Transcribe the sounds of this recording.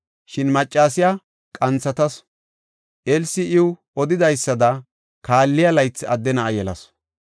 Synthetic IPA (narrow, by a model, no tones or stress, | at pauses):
ʃɪnmɐt͡ʃʼːaːsɪja | kʼɐnt͡sːɐt̪ɐs | ʔɛlsɪʔɪwʊ | ɔd̪ɪd̪ɐjsːɐd̪ɐ | kaːlːɪjɐlɐjt͡sːɐd̪ːɛnɐʔɐjɛlɐ̰s